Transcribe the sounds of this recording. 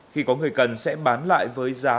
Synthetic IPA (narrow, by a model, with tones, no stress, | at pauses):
xi˧˩kɔ˨˦ŋɨ˨˩əjkə˨˩nsɛ̰˧˥ɓaː˨˦nla̰ː˧˨jvəː˨˦jzaː˨˦